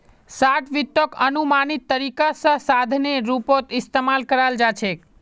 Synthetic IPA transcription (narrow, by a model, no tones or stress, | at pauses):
saʈʰʋɪt̪ːokənumanit̪ːəɾikasəsad̪ʱneɾupot̪ɪst̪emalkəɾald͡ʒat͡ʃʰe